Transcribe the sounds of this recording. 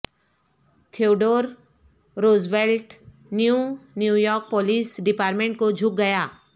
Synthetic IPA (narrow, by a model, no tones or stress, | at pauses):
t̪ʰoːɖoːɾ | ɾoːzʋelʈ | njunjujɔːɾk̚poːliːsɖɪpaːɾmẽɳʈ̚kod͡ʒʱʊk̚ɡɐjaː